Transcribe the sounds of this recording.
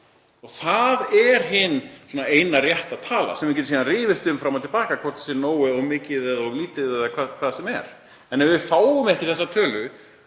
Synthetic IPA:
ɔɣθaðɛɾ̥ɦɪnːsɔːnaeːjnarjɛht̪aðt̪ʰaːla̰sɛmvɪɾcɛt̪siːðanrɪːvɪst̪ʏmfɾamat̪ʰɪlpaːkakʰvɔr̥t̪sɛnoːwɪɔɣmɪːcɪðɛːðɔɣliːt̪ɪɛðakʰvaːðkʰv̥aːðsɛmɛ̰ɾ̥ | ɛnɛvɪfaːwʏmɛhcɪθɛsːat̪ʰœːlʏ

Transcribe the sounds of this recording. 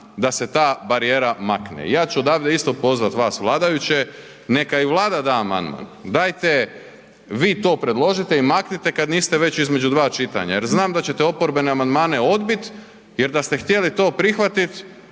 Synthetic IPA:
d̪ase̞t̪aːbaɾije̞ːɾamaknḛḭjaːt͡ʃuod̪aːʋd̪eist̪opo̞zʋat̪ʋaːsʋlˠaːd̪ajut͡ɕe | ne̞kaiʋlˠaːd̪ad̪aːma̰nd̪ma̰nd̪aːjt̪e̞ | ʋiːt̪o̞ːpɾe̞d̪lˠo̞ʒit̪e̞imaknit̪ekad̪niːst̪eʋe̞t͡ɕizmed͡ʒud̪ʋaːt͡ʃit̪a̰ɲa̰jeɾznaːmd̪at͡ɕe̞t̪eo̞poɾbe̞neamand̪maːneo̞d̪bit̪ | jeɾd̪ast̪e̞xt̪jelit̪o̞ːpɾixʋat̪it̪

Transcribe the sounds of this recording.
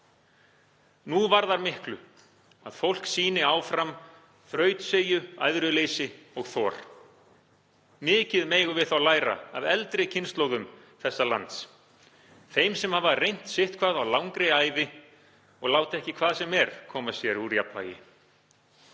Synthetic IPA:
nuvaɾðaɾmɪhklʏ̰ | aðfowl̥ksiːnɪaːwfɾam | θɾœːɥt̪seːjʏa̰jðɾʏleːjsɪɔɣθɔːɾ̥ | mɪːcɪðmeːjɣʏvɪðθawlaːjɾa̰aðɛlt̪ɾɪcʰɪnst̪lowɣʏm | θɛsːala̰nt̪s | θejmsɛmhavarejn̥t̪sɪht̪kʰvaːðawlawŋkɾeaːjvɪ | ɔɣlaːwt̪ɛhcɪkʰv̥aːðsɛmɛɾ̥kʰɔːmasjɛɾuɾijap̪va̰ːjɪ̰

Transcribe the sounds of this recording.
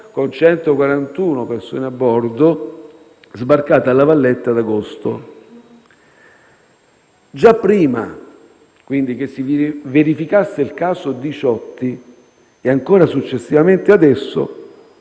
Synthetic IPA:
kont͡ʃɛnt̪okwaɾant̪uːnoperso̰ːneabːɔrd̪o | zbarkaːt̪alːavalːɛt̪ːad̪aɡost̪o | d͡ʒapːɾiːma | kwind̪ik̟esːiveɾifikasːeilkaːsod̪it͡ʃɔt̪ːi | eaŋkoːɾasut͡ʃːesːivament̪ead̪ɛsːo̰

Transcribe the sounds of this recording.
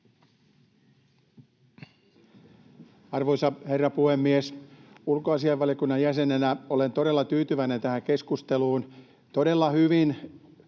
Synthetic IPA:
ɑrʋojsɑhe̞rːɑpuhemːiesulkoɑsiɑʋɑlijokunːɑjjæse̞nenæo̞le̞nt̪o̞ɾe̞lːɑt̪yːt̪yʋæine̞nt̪æhæŋke̞skust̪e̞luːn | t̪o̞de̞lːɑhyʋin

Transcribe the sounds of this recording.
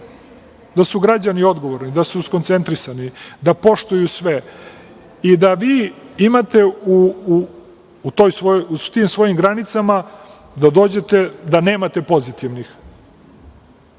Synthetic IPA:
d̪asuɡɾad͡ʑanio̞d̪ɡo̞ʋoɾnid̪asusko̞nt̪se̞nt̪ɾisanid̪apo̞ʃt̪ujusʋe | id̪aʋiːimat̪e̞u | t̪ojsʋout̪iːmsʋo̞jimɡɾanit̪sama | d̪ad̪o̞ːd͡ʑe̞t̪e̞d̪ane̞ːmat̪e̞po̞zit̪iʋnix

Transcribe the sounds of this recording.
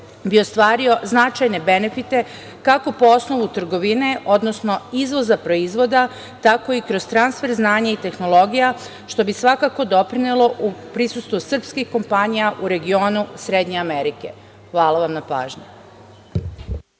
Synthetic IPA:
bio̞st̪ʋaːɾio̞znat͡ʃajne̞be̞ne̞fit̪e̞ | kako̞po̞o̞sno̞ʋut̪r̩ɡo̞ʋine̞ʔo̞d̪no̞sno̞izʋo̞zapɾo̞izʋo̞d̪a | t̪ako̞ikɾo̞zt̪ɾansfe̞ɾznaːɲait̪e̞xno̞lo̞ɡija | ʃt̪o̞bisʋakako̞d̪o̞pɾinelo̞ʔupɾisust̪ʋusr̩pskixko̞mpaɲijaʔuɾe̞ɡio̞ːnusɾe̞d̪ɲe̞ameɾike̞̰ | xʋaːlˠaʋamnapa̰ːʒɲu

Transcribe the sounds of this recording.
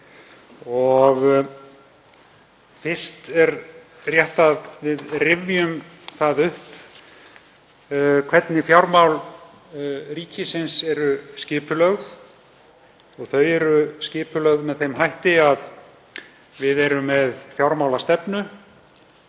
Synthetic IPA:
ɔɣ | fɪr̥st̪ɛɾ | rjɛht̪aðvɪðrɪvjʏm | θaðʏhp | kʰvɛt̪nɪfjawɾmawl | riːcɪsɪnsɛɾʏscɪːpʏlœɣð | ɔɣθœɥɛɾʏscɪːpʏlœɣðmɛðθejmɦajht̪ɪað | vɪðɛɾʏmːɛðfjawɾmawlast̪ɛpnʏ

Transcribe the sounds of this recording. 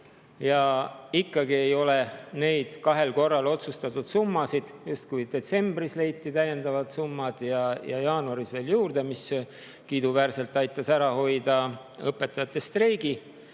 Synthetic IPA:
jɑikːɑɡ̥ie̞jo̞le̞ne̞jd̪̥kɑɦe̞lko̞rːɑlo̞t̪sust̪ɑt̪ːud̪̥sumːɑsid̪̥just̪̚kujd̪̥e̞t̪se̞mb̥risle̞jt̪ːˑit̪æjːend̪̥ɑvɑt̪sumːɑd̪̥jɑjɑ̰jɑːnuɑɾisve̞ːljuːrd̪e̞mis | kid̪uvæːrse̞lt̪ːˑɑjt̪ːˑɑsæɾɑho̞jd̪ɑ | ɤpːˑe̞t̪ːˑɑjɑt̪ːˑest̪rejɡi

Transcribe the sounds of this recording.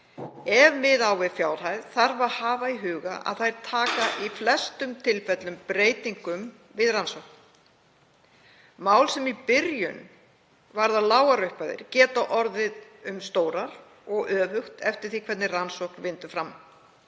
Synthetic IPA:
ɛvmɪðawvɪðfjaːwɾ̥ajðθaɾvahaːvaiɦʏːɣa̰ʔa̰ðθajɾ̥t̪ʰaːkaʔiflɛst̪ʏmt̪ʰɪlfɛt̪lʏmpɾeːjt̪iŋkʏm | vɪðransɔwhkn | maːwlsɛmipɪɾjʏn | vaɾðalaːwɣaɾœɥhpaðɪ̰ɾ̥cɛːt̪aʔɔɾðɪðʏmst̪oːwɾaɾ̥ | ɔɣœːvʏxt̪ɛft̪ɪɾ̥θikʰvɛt̪nɪransɔwhknvɪnt̪ʏ̥fɾam

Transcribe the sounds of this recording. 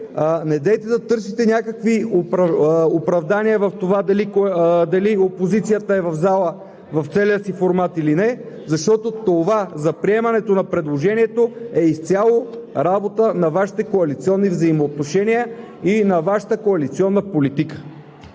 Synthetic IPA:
nɛd̪ɛjt̪ɛd̪ɐt̪ɤɾsit̪ɛnʲakəkviopopɾɐvd̪aniəvɐft̪ovad̪ɐlikd̪ɐliopozit̪sijət̪əɛvɐvzalˠə | vɐft̪sɛliəsifoɾmat̪ilinɛ | zɐʃt̪ɔt̪ot̪ovazɐpɾiɛmɐnɛt̪onɐpɾɛd̪lˠoʒɛniɛt̪oɛist̪sʲalˠoɾabot̪ənɐvaʃi̥t̪ɛkoɐlit̪siɔnːivzɐimoːt̪̚noʃɛniə | inɐvaʃə̥t̪əkoɐlit̪siɔnːəpolit̪ikə̥

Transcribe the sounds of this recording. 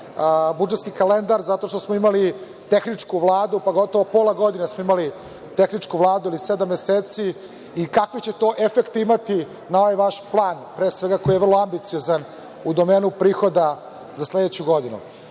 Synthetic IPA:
bud͡ʒet̪skikale̞nd̪aɾzat̪o̞ʂt̪o̞smoimali | t̪exnit͡ʂkuʋlˠaːd̪upaɡo̞t̪o̞ʋopoːlˠaɡo̞d̪inesmoimali | t̪exnit͡ʂkuʋlˠaːd̪uilised̪amːeseːt̪siː | kakʋit͡ɕe̞t̪o̞ːʔefekt̪imat̪i | nao̞ʋajʋaʃplˠaːnpɾeːsʋe̞ɡako̞jijer̩loambit̪sijo̞zan | ud̪omeːnupɾiːxo̞d̪a | zasleːd̪et͡ɕuɡo̞d̪inṵ

